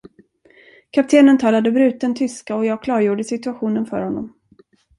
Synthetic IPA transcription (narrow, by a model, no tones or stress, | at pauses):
kʰap̚t̪ʰeːnənt̪ʰɑːlad̪əbɾʉ̟ːt̪̚ənt̪ʰʏskaɔjɑːɡ̚kʰlɑːɾjuːɖəsɪt̪ɵaɧuːnənfœ̰ɾhɔnːɔm